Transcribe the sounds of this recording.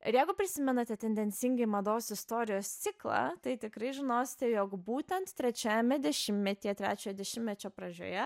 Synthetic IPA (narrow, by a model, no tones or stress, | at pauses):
ɪɾjɛɪɡʊpʲɾʲɪsʲɪmʲɛnɐt̪ʲɛt̪ʲɛnʲd̪ʲɛnʲsʲɪŋʲɡʲɪmɐd̪oːsɪst̪oːɾʲɪjoːst̪sʲɪklˠɑ̰t̪ɐɪt̪ʲɪkɾɐɪʒʲɪnoːsʲɪ̥t̪ʲɛjoːkbuːt̪ʲɛnt̪t̪ʲɾʲɛt͡ʃʲoːjɛmʲɛd̪ʲɛʃʲɪmmʲɛt̪ʲiːɛt̪ʲɾʲæ̰ːt͡ʃʲoːjɛd̪ʲɛʃʲɪmʲmʲɛt͡ʃʲoːpɾɐd͡ʒʲo̰ːjɛ